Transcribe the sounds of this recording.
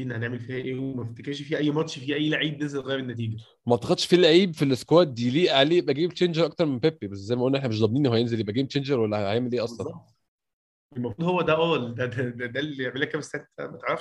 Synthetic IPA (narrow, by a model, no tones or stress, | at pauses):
iʔenːhæneʕmelfihæʔeːwmeft̪ekæʃfiːʔæjːmɑt̪ʃfiʔæjːlaʕiːb̚nezelɣæjːbenːæt̪̬iːɡæ | mæʔ̚t̪ːɑxɑd̪ˤʃfilaʕiːbfileskwæːt̪̚d̪iliːʔʕaleːjebʔæɡeːbt͡ʃeːnd͡ʒeɾˤʔɑk̚t̪ɑɾˤmenpepːibæsːzæjmæʔolnːæeħnæmeʃd̪ˤɑbːniːnːʔhoæjenzeljebʔæɡeːmt͡ʃeːnd͡ʒeɾwælːæhhææʕmelʔeːʔɑsˤlɑnɑn | emæfɾud̪ˤhowːæd̪æʔæːld̪æd̪æd̪æd̪ælieʕmelːækːæmesæt̪mæt̪eʕɾˤɑfʃ